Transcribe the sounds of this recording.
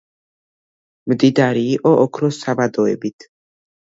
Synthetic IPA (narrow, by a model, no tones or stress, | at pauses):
md̪id̪aɾiːʔɔʔɔkʰɾɔsabad̪ɔɛbit̪ʰ